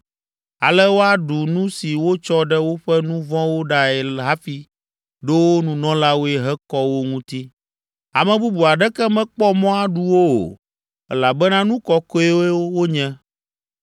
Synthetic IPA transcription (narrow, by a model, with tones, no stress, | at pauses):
a˨lɛ˦wo˦a˦ɖu˨nũ˦si˨wo˦t͡ʃɔ˦ɖɛ˦wo˦ɸɛ˦nũ˦vɔ̃˦wo˦ɖa˦ɛ˨lɦa˦fi˦ | ɖe˦wo˦nũ˨nɔ̃˦la˦wo˦ɛ˨ɦɛ˦kɔ˦wo˦ŋũ˦t̪i˦ | a˨mɛ̃˨bu˦bu˨a˨ɖɛ˦kɛ˦mɛ̃˦k͡pɔ˦mɔ̃˦a˦ɖu˦wo˦o̰˨ | ɛ̰˦la˨bɛ˦nã˦nũ˦kɔ˦kɔ˦e˦we˦wo˦ɲɛ̃˦